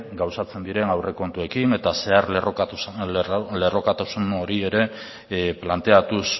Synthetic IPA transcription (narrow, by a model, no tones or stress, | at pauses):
ɡawsat͡se̞nd̪iɾe̞nawre̞ko̞nt̪ue̞kine̞t̪ase̞arlro | le̞ro̞kat̪asuno̞ɾie̞ɾe̞ | plant̪e̞at̪us